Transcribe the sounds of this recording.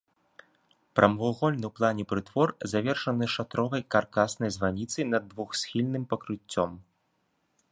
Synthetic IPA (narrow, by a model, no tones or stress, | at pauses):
pɾʔɐmvuɣɔlʲnɨwplˠanʲɛpɾɨt̪vɔrzavʲɛrʂɐnɨʂat̪ɾɔvɐjkarkasnɐjzvanʲit̪sɐjnɐd̪ːvuxsʲxʲilʲnɨmpɐkɾɨt͡sʲːɔ̰m